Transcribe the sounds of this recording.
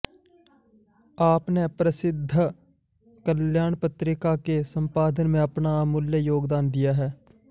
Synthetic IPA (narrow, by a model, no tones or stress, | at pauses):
aːpneːpɾəsɪd̪ʱː | kəljaːɳpət̪ɾɪkaːkeːsəmpaːd̪ənmẽːəpɳaːmʊljəjoːɡd̪aːnd̪ɪjaːɦɛː